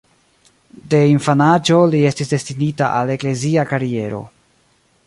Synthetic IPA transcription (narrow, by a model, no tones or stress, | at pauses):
de̞infanad͡ʒo̞lie̞stisde̞stinitaʔale̞kle̞ziakaɾie̞ɾo̞̰